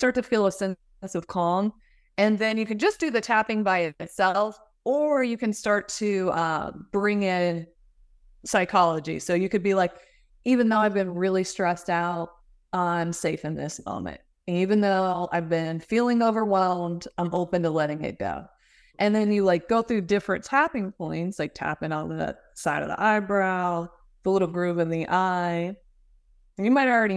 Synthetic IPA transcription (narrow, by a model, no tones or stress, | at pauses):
stɑɹtɨfilˠəsɛ̃n | ɨsʌv̥kʰɔ̃ŋ | ɨ̃nðɨ̃njɨkɨ̃nd͡ʒʌsd̥ɨðɨtʰæpɪ̃ŋbaɪɨɾɨtsɛlˠf | ə˞jɨkɨ̃nstɑɹtʰɨʌb̥ɹɪ̃ŋɪ̃n | saɪkʰɑlˠəd͡ʒḭsoʊjɨkɨd̚bilaɪk | ivɨ̃nðoʊaɪvbɨ̃nɹɪlˠistɹ̥ɛstaʊt̚ | ʌãɪ̃mseɪfɨ̃nðɪ̰smõ̰ʊ̃mɨ̰̃nt̚ | ɨ̃nivɨ̃nðoʊa̰ɪvbɪ̃nfilˠɪ̃ŋoʊvə˞wɛlˠmdãɪ̃moʊpɨ̃ntəlɛɾɪ̃ŋɨ̰t̚ɡ̥o̰ʊ | ʔɨ̃nðɨ̃njɨlaɪk̚ɡ̥oʊθɹʉdɪfɹɨ̰̃ntʰæpɪ̃ŋpʰɔ̃ɪ̃ntslaɪk̚tʰæ̰pɪ̃ŋə̃n̩ɨ̰ | saɪɾʌ̰vðḭʔaɪbɹaʊ | ðəlɪɾl̩ˠɡɹʉpɨ̃nðiʔaɪ | ɨ̃njɨmaɪɾl̩ˠɹɛɾi